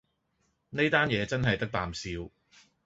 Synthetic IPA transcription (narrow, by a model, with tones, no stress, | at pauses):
ne˥jt̪aː˥njɛː˨˧t͡sɐ˥nɦɐ˨jt̪ɐ˥k̚t̪aː˨msiː˧w